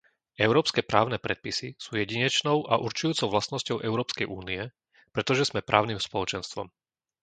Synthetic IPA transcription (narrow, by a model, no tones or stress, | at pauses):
ɛʊɾɔːpskɛːpɾʔaːʊnɛːpɾɛt̪̚pisisuːjɛɟiɲɛt͡ʃnɔʊʔa̰ʔuɾt͡ʃujuːt͡sɔʊʋlast̪nɔscɔʊʔɛʊɾɔːpskɛjʔṵːniɛ | pɾɛt̪ɔʒɛz̥mɛpɾʔa̰ːʊnimspɔlɔt͡ʃɛnst̪ʋɔ̰m